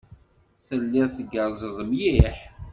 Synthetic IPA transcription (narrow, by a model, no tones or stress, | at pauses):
θəlːɪʁθəɡəɾˤzˤəðˤəmjiħ